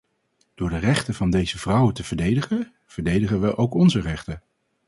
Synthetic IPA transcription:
d̥ʊːɹdərɛχtəvɑndejzəv̥rʌwətəvəɹdejdəχə | v̥əɹdejdəχənʋəʔowkɔnzərɛχtə

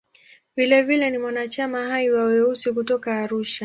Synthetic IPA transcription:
vilɛvilɛnimwanat͡ʃamaɦaiwawɛusikutɔkaːɾuʃa

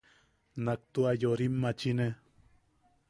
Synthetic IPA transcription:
nak̚t̪uajoɾimːat͡ʃine

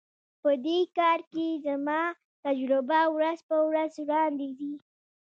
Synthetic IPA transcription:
pəd̪ekɑɾkezamɑ | t̪ad͡ʒɾʊbawɾazpəwɾazwɽɑnd̪ezi

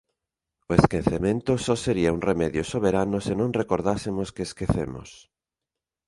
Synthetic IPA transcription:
ʊeskẽ̟θemẽnt̪ʊsɔseɾiauŋremɛðjosoβ̞eɾanʊsenõŋrekoɾðasemoskeːskeθemo̰s

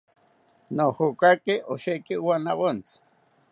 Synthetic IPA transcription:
nohokakiʔoʃekiwanaβont͡s

